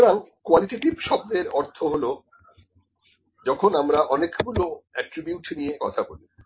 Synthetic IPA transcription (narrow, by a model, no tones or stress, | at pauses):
ɾaŋkoaliʈeʈibʃɔb̚d̪eɾɔɾt̪ʰoɦolo | d͡ʑɔkʰonamɾaʔɔnekɡuloɛʈɾibjuʈnijekɔ̰t̪ʰaboli